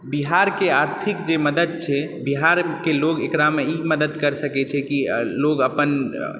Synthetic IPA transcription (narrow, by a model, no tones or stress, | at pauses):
biɦaɾkeaɾt̪ʰikd͡ʒeməd̪əd̪̚t͡ʃʰɛbiɦaɾkeloɡekɾameiməd̪əd̪kəɾsəkɛt͡ʃʰɛkiloɡəpən